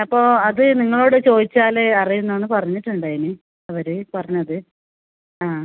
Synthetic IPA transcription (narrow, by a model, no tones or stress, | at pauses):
ɐpːo̞ːɐðɨniŋːɐɭo̞ːɽɨt͡ɕo̞ːd̪it͡ɕːaːleɐrijunːɐenːɨpɐrɐɲːiʈːuɳɖaːjinɨ | ɐʋɐɾɨpɐrɐɲːɐðɨ | aː